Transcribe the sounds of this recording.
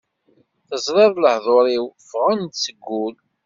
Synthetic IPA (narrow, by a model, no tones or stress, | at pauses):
θəzˤɾɪðˤləhðˤoɾˤiwfʁand̪t͡sːəɡːul